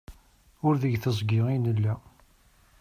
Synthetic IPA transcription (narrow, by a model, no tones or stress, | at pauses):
ʊɾðəʝθəzˤɡɪʁinəlːæ